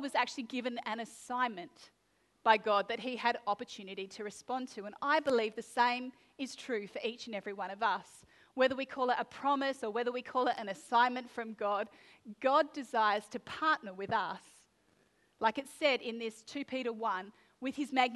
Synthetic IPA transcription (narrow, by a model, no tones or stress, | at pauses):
wʌzæk̚t͡ʃʉl̩ˠiɡɪvɨ̃nɨ̃nɨsãɪ̃nmɨ̃n | b̥aɪɡɑd̪̚ðɨt̚hiɨɾɑpə˞tʰʉnɨɾiɾɨɹɨspɑ̃ntʰɨə̃naɪbəlivðɨsẽɪ̃m | ɨz̥tʰɹ̥ʉfə˞ʔit͡ʃɨ̃nɛvɹiwʌ̃ɾ̃ʌvʌs | wɛðə˞wikʰɔlˠəɾəpʰɹ̥ɑmɨsə˞wɛðə˞wikʰɔlˠɨɾʔɨ̃nɨsãɪ̃nmɨ̃ntfɹʌ̃mɡɑd̚ | ɡ̥ɑdɨzaɪə˞z̥tʰɨpʰɑɹʔⁿnə˞wɨðʌs | laɪkɨtsɛɾɪ̃nðɪstʰʉpʰiɾə˞wʌ̃n | wɨð̥ɨzmæɡ̚n